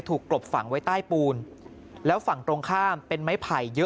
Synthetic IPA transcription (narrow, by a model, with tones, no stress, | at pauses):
jt̪ʰuː˨˩kːlo˨˩p̚fa̰˨˩˦ŋwa˦˥jt̪aː˥˩jpuː˧n | lɛː˦˥wfa˨˩˦ŋt̪ɾoː˧ŋkʰaː˥˩mpe˧nma˦˥jpʰa˨˩jːɤ˦˥